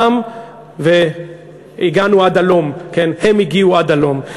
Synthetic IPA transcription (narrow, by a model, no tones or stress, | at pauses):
am | ve | iɡanuad̪alo̞mkenhe̞miɡiuad̪alo̞m